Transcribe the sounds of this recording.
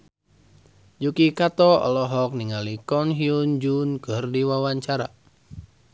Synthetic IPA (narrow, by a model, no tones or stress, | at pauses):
d͡ʒukikat̪ɔɔ̰lɔɦɔk̚niŋalikɔnɦiund͡ʒunkɨrdiwawaɲt͡ʃaɾa